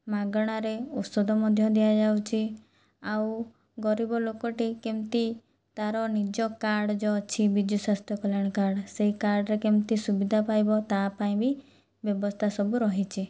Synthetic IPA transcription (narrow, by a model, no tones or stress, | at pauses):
maɡɽ̃aɾeɔsɔd̪ɔmɔd̪ʱjɔd̪ijad͡ʒawt͡ʃʰi | aw | ɡɔɾibɔlokɔʈikemt̪i | t̪aɾɔnid͡ʒɔkaɾɽd͡ʒɔt͡ʃʰibid͡ʒ̪ʱjusast̪ʰjɔkɔlaɽ̃kaɾɽseɦikaɾɽɾekemt̪isubid̪ʱapajbɔt̪apaĩbi | bjɔbɔst̪ʰasɔbuɾɔɦit͡ʃʰi